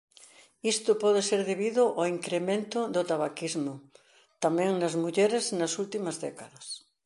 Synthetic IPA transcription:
ist̪ʊpɔðeseɾðeβiðʊʔoiŋkɾemẽnt̪ʊðʊt̪aβakizmʊ | t̪amẽŋnazmuʎeɾeznasult̪imɐzðɛkaðɐs

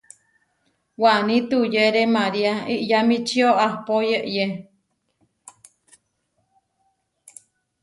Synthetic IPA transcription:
waʔnit̪ujeɾemaɾiaiʔjamit͡ʃioahpojeʔje

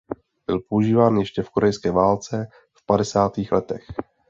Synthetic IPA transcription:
b̥ɪlpo̞uʒiːvaːnjɛʃcɛfkoɾɛjskɛːvaːlt͡sɛ | fpadɛsaːt̪iːxlɛt̪ɛx

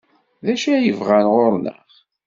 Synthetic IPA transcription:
ðæʃæjəvʁænʁoɾnə̰ʁ

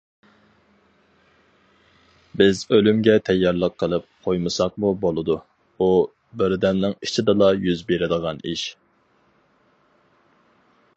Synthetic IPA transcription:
bɪzølymɡʲɛt̪ʰɛjːɑɾlˠəqʰːəlˠɨp̚qʰojmɨsɑq̚mubolˠɨd̪u | u | bɪɾd̪ɛmnɪŋit͡ʃʰid̪ɨlˠɑjyzbeɾɪd̪əʁɑniʃ

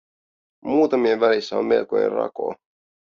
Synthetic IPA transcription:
muːt̪ɑmieʋælisːæomme̞̰lko̰jḛrɑ̰ko̰

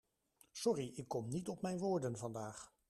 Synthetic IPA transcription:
sɔriʔɪkːɔmnitɔpmɛjnʋʊːɹdənvɑndaːχ

